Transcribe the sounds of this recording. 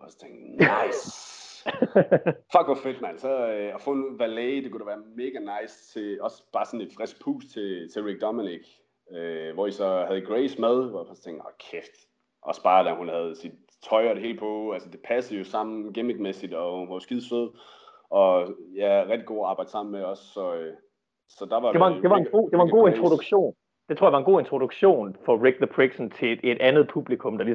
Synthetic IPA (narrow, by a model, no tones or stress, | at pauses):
ɒst͡sʰeŋɡ̥nɑɪs | fɒɡ̥ʋɑfed̥mænsɒɒfɔ̽ːenʋæleːd̥e̝kʰuɾ̥æʋæːɐme̝ːɡ̥ænɑ̈ɪst͡sʰe̝ɒ̽sb̥ɑ̈ːsɒ̽ne̝d̥fʁɛsɡ̥̚pʰṵːst͡sʰe̝t͡sʰe̝ʁiɡ̥̚d̥ɒminiɡ̥ | øʋɒisɒ̽hæð̞ˠiɡ̥ʁeɪsmæð̞ˠʋɒjfɒst͡sʰeŋ̰̥ɒkʰefd̥ | ʔɒ̽sb̥ɑ̈ːd̥æhunhæð̞̩ˠsid̥̚ | t͡sʰɒ̽ɪɐd̥ehe̝̰ːld̥̚pʰɔ̽ælsəd̥e̝pʰæsəð̩ˠjo̝sɑ̈m̰n̩ɡ̥emiɡ̥mesid̥ɒ̽unhɑjo̝sɡ̥iðˠsøð̰ˠ | ɒ̽jæʁɛɡ̥̚d̥iɡ̥o̝̰ːɑ̈ːbɑ̈ɪd̥sɑ̈m̰n̩meɒ̽sːɒ̽ø | sɒ̽d̥ɑ̈ʋɑ̥̈eʋɑ̈ende̝ʋɑ̈enɡ̥o̝̰ːd̥e̝ʋɑenɡo̝̰ːent͡sʰʁod̥uɡ̥ɕo̝̰ːn | d̥e̝t͡sʰoɐ̰jɑʋɑenɡ̥o̝ːent͡sʰʁod̥uɡ̥ɕo̝̰ːnfɒ̽ʁeɡ̥̚ðəb̥ʰʁiɡ̥sɒnt͡sʰe̝e̝d̥ænð̞̩ˠpʰub̥likʰɔ̽md̥ɑ̈lis